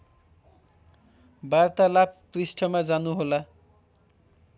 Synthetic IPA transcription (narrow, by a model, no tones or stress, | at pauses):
bart̪alab̚prisʈʰʌmad͡zanuɦola